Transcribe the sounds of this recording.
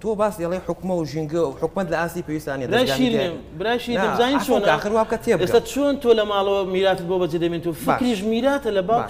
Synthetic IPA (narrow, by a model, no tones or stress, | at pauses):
t̪ʰobaːsɐlˠejħʊkmɐwʒiŋɡɨwħʊkmɐt̪lɐaːst̪ipʰewist̪aanjedɾaːjaʃiɾne | bɨɾaːjʃiɾnebɨzaːnimt͡ʃʰonaːxɨɾwaːb̚ɨkat̪ʰebeskt̪at͡ʃʰont̪ʰoːlɐmaːlˠɐwɐmiɾaːt̪ɨt̪bobɐd͡ʒed̪ɐmint̪ʰofkɾiʃmiɾaːt̪ɐlɐbaː